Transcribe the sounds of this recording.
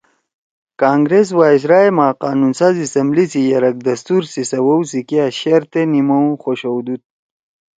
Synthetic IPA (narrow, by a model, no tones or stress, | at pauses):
kaːŋɡɾes̬waːis̬ɾaːemaːqaːnunsaːzisɐmblisijɐɾɐk̚d̪ɐst̪uɾsisɐwɐwsikiaɕeɾt̪enimɐw̃xoɕowd̪ut̪̚